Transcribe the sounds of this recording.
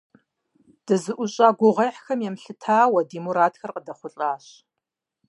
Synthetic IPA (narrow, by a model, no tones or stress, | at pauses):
d̥ɨzɨʔʷʊɕʼaːɡʷʊʁɐjħxɐmjɛmɬɨtʰaːwɐdimuɾaːtʰxɐrqədɐχʷʊɬʼaːɕ